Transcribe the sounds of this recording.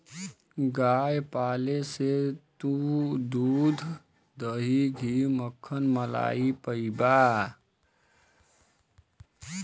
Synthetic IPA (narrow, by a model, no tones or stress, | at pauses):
ɡaːjpaːleset̪ud̪uːd̪ʱ | d̪əɦiɡʱiməkʰːənməla̰ːipəibaː